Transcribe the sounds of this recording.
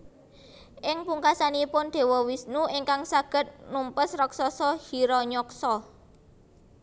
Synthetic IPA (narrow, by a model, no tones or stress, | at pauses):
ʔɪŋpuŋkasanipʊnd̪̥e̤wɔwisnuʔiŋkaŋsaɡ̥ə̤t̪̚numpəsrɔksɔsɔhiɾɔɲɔksɔ